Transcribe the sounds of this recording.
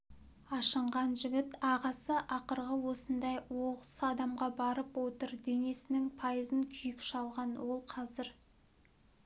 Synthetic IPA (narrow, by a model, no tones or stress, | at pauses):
ɑʃəɴʁɑnʒɪɡʲɪt̪ɑʁɑsəʔɑqəɾʁəwo̞sənd̪ɑjwoʁəsɑd̪ɑmʁɑbɑɾəpwot̪əɾd̪e̞ne̞sɪnɪŋpʰɑjəzəŋkʲʰʏjɪkʃɑlˠʁɑnwo̞lˠqʰɑzɪɾ